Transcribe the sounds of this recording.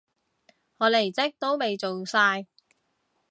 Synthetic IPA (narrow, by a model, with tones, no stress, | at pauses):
ŋɔː˨˧le˨˩jt͡sɪ˥k̚t̪o˥wme˨˧jt͡so˨wsaː˧j